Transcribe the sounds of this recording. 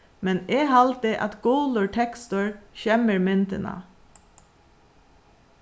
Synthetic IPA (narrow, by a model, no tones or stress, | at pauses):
mɛneːɦɑlt̪ɪʔɑ̰t̪ɡ̥uːlʊɹʈʰɛkst̪ʊɹçɛməɹmɪnt̪ənɑ̰